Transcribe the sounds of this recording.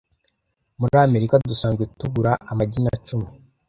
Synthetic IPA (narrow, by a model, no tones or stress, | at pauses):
muɾame̞ɾikadusaːnzɡwetuɡuɾaʔamaɟinat͡ʃumi